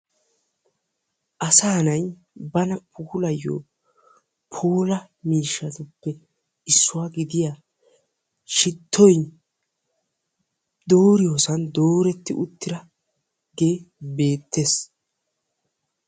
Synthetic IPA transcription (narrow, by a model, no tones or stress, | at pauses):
ʔɐsaːnɐj | bɐnɐpʰːʊkʊlɐjːo̰ː | pʰuːlɐ | miːʃːɐt̪ʊpːɛ | ɪsːʊwaːɡɪd̪ɪjaː | ʃɪt̪ʰːɔj | d̪o̞ːɾɪjo̞ːsɐnd̪oːɾɛt̪ːɪʔʊt̪ːɪɾɐ | ɡe̞ːbe̞ːt̪ːes